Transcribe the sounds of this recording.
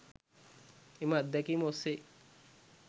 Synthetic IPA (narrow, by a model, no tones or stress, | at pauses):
emad̪ːɛkimose